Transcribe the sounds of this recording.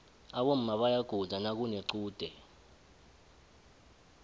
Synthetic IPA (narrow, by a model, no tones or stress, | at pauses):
aɓom̩maɓajaɡ̥ʱuzʱanak̬uneǀuːd̥ʱɛ